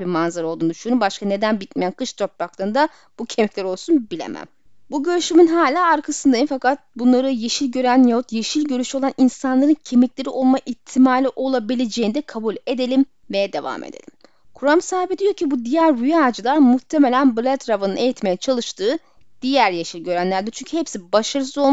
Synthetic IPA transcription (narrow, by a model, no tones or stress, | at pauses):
biɾmanzaɾo̞lˠd̪uːnʃunubaʃkane̞d̪ænbit̪mejænkʰɯʃt̪ʰo̞pɾaklˠaɾɯnd̪a | b̥ucʰe̞miclʲæɾo̞lˠsunbilʲḛmʔæ̰m | buɟø̞ɾyʃyminɦaːlʲaːaɾkʰasɯnd̪ajɯnfakat̪̚bunlˠaɾɯje̞ʃilʲɟø̞ɾænjot̪je̞ʃilʲɟø̞ɾyʃo̞lˠanʔinsanlˠaɾɯncʰe̞miclʲe̞ɾiʔo̞lˠmaʔit̪ʰimaːlʲiʔo̞lˠabilʲed͡ʒe̞jind̪ɛkʰabulʲe̞d̪e̞lʲim | vejɛd̪e̞va̰mḛd̪ḛlʲim | kʰuɾamsaːibid̪ijo̞cʰibud̪ijæɾɾyjaːd͡ʒɯlˠaɾmut̪ʰːe̞me̞lʲænblʲˠat̪ɾavanɯne̞jit̪me̞jɛt͡ʃʰalˠɯʃt̪ʰɯː | d̪̥ijæɾjeʃilʲɟø̞ɾænlʲæɾd̪ɛt͡ʃʰyɲcʰyhepsibaʃaɾɯso̞lˠ